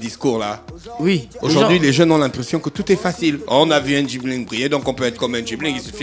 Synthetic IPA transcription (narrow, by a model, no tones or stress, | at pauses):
d̪iskuʁlawioʒuʁd̪ɥileʒœ̃nɔ̃lɛ̃pχesjɔ̃kət̪ut̪ɛfasilɔ̃navyɛ̃ʒiblĩŋbʁijẽd̪ɔ̃kɔ̃pøɛt̪χkɔmɛ̃ʒiblĩŋkisəfɛ